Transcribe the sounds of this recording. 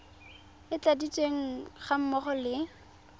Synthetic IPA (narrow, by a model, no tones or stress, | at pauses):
ɪt͡sadit͡sʼweŋ̩χam̩mɔχɔlɪ